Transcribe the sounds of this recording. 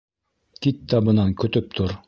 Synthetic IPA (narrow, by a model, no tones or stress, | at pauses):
kit̪ːɑβɤ̆nɑŋkɵ̆t̪ɵp̚t̪ʰoɾ